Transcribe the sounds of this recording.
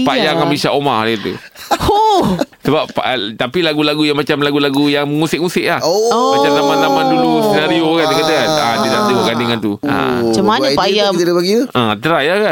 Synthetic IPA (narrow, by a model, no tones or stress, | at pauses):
pajaŋamisaʔomadait̪ṵ | osəbapʔt̪apilaɡulaɡujaŋmat͡ʃamlaɡulaɡujaŋməŋusɪk̚musɪʔ̚lahomat͡ʃamnamanamadulust̪ənaɾiokandakat̪aadidat̪əwakandəŋant̪uã̰t͡ʃəmapajaidibaɡiuat̪əɾajakan